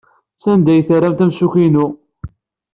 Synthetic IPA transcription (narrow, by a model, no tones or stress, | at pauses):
sænd̪æjθəɾːæmt̪æmsuçinu